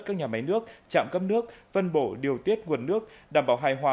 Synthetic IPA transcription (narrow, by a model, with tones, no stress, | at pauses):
kaː˦˥k̚ɲaː˨˩ma˨˦jnɨ˦˥ək̚t͡ɕa̰ː˧˨mkə˦˥p̚nɨ˦˥ək̚fə˧nɓo˧˩ɗi˨˩əwt̪i˦˥ət̚ŋu˨˩ənːɨ˦˥ək̚ɗaː˧˩mɓaː˧˩wɦaː˧jɦwaː˧˩